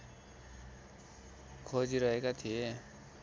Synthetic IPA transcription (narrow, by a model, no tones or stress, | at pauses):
kʰod͡ziɾʌɦekat̪ʰie